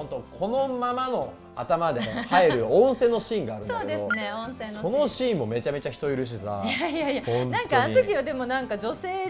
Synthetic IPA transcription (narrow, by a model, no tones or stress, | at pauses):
ont̪o̞kʰo̞nomamano̞ | a̰t̪amad̪ehaeɾɯ̟õɰ̃se̞ːnːoɕĩːŋɡaːɾɯnsoːked̪esoɨneõñseːno̞no̞ɕĩːmːo̞me̞t͡ɕame̞t͡ɕaçi̥t̪o̞iɾɯ̟ɕ̬iza̰jajajaõnnãŋtkaanoɲt̪okʲiβad̪e̞mo̞nãŋkad͡ʑo̞se̞ː